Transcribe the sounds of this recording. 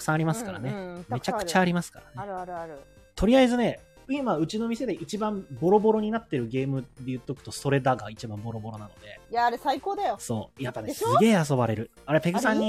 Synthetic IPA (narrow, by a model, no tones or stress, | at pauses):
ɯ̥sãaɾʲimasɨ̥kaɾa̰neme̞t͡ɕakɯ̟t͡ɕaːɾʲimasɨ̥ka̰ɾane̞ | t̪ʰo̞ɾʲiaizɨne̞ | imaɯ̟t͡ɕino̞mʲise̞d̪e̞ʔit͡ɕibãmbo̞ɾo̞bo̞ɾo̞ɲ̟inat̪ːe̞ɾɯ̟ɡe̞ːmɯ̟d̪e̞jɯ̟t̪ːo̞kɯ̟̥t̪o̞so̞ɾe̞d̪aɡait͡ɕibãmbo̞ɾo̞bo̞ɾo̞nano̞d̪e̞jaːɾesaikoːd̪ajoso̞̰ːjapːanesɨɡe̞ːas̬o̞baɾe̞ɾɯ̟ | aɾe̞pe̞kɯ̟sãɲ̟ːi